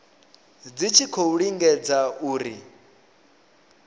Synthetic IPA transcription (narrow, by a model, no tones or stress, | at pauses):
d͡zit͡ʃʰikʰɔuɺiŋɡɛd͡zauːɾi